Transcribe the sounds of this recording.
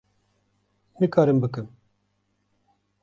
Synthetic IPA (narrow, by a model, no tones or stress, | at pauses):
nɨkʰɑːɾɨmbɨkɨm